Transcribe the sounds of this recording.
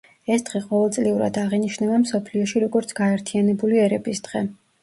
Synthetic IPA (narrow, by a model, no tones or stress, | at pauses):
ɛsd̪̥ʁiqʼɔvɛlˠt̪sʼliuɾa̰d̪aʁiniʃnɛbamsɔpʰliɔʃiɾɔɡɔɾt̪sʰɡ̥aɛɾt̪ʰianɛbuliɛɾɛbisd̪̥ʁɛ